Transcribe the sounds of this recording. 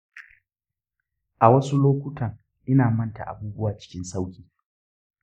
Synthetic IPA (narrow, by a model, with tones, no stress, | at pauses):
ʔa˨wɐ˦su˦loː˦kʷʊ˦tʰɐ˨ŋ | ʔɪ˦naː˨mɐ˦nta̰˨ʔa̰˨buː˦bʊ˦waː˨t͡ʃɪ̥˦kʲɪ˦nsa˦wkʲiː˨